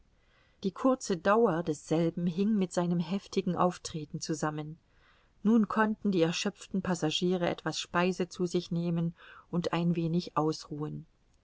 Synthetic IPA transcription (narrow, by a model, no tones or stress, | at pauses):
d̥iːkʰʊɐt͡sədaʊɐdɛsz̥ɛlbm̩ɦɪŋmɪtz̥aɪnəmɦɛftɪɡŋ̩ʔa̰ʊftʁ̥eːtn̩t͡suzamənː | uːnkʰɔntn̩diːɛɐʃœp͡ftn̩pʰazaʒiːʁəʔɛ̰tv̥asʃpaɪzət͡suːzɪçneːmənʔʊntʔaɪnveːnɪçʔaʊsʁuːən